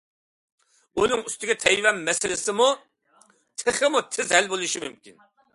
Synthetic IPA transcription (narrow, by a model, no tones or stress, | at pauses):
unɨŋyst̪ʰɪɡʲɛt̪ʰɛjvɛmːɛsɪlɪsɪmu | t̪ʰɨχɨmut̪ʰɪzhɛlbolˠuʃimymkʲin